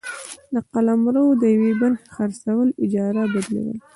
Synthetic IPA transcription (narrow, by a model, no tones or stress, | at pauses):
d̪əqalamɾawod̪əjawebaɾxexaɾsawəlɪd͡ʒɑɾabad̪lḛwə̰l